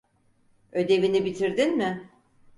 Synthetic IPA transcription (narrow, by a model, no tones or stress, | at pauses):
ø̞d̪e̞vinibit̪ʰiɾd̪inmɪ